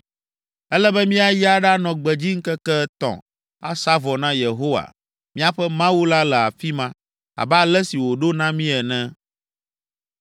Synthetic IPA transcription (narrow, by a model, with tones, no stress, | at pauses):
ɛ˦lɛ˦bɛ˦mĩ˦a˨ji˦a˨ɖa˦nɔ̃˨ɡ͡bɛ˨d͡ʑi˦ŋ̩˦kɛ˦kɛ˦t̪ɔ̰̃˨ | a̰˦sa˦vɔ˨nã˦je˨ɦo˦wa̰˨ | mĩ˦a˦ɸɛ˦mã˦wu˦la˦lɛ˨a˨fi˦mã˦ | a̰˨ba˦lɛ˦si˨wo˨ɖo˦nã˦mĩ˦ɛ˨nɛ̃˦